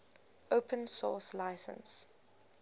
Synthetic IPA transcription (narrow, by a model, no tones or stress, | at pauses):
ʔoʊpʰə̃nsɔːslaɪsə̰̃ns